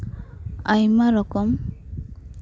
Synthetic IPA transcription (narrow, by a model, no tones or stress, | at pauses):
ajmaɾɔkɔm